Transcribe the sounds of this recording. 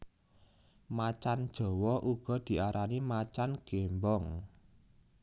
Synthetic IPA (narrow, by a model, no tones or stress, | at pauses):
mat͡ʃand̥ʒ̥ɔ̤wɔʔuɡ̥ɔ̤d̪̥i̤aɾʔanimat͡ʃanɡ̥embɔŋ